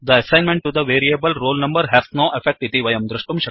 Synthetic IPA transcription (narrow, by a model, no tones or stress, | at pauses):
d̪əɐsãɪ̃nmẽɳʈ̚ʈːud̪əʋeːɾiebəlɾoːlnɐ̃mbəɾɦɛsnoːʔefek̚ʈɪt̪iʋɐjɐ̃md̪ɾɪʂʈumʃɐ